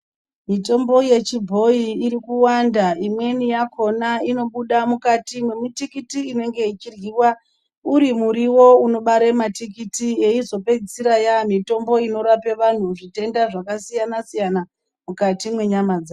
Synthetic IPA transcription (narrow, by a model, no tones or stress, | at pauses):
mito̞mbo̞je̞t͡ʃibʱo̞iːɾikuwandaimwe̞nijakʰo̞naino̞ɓuɗamukatimwe̞mitikitiine̞ŋɡe̞it͡ʃirɣiwa | uɾimuɾiwo̞uno̞ɓaɾematikitieizo̞pe̞d͡zisiɾajamito̞mbo̞ino̞ɾape̞ʋan̤uʐite̞ndaʐakasijanasijana | mukatimwe̞ɲamad͡zaːo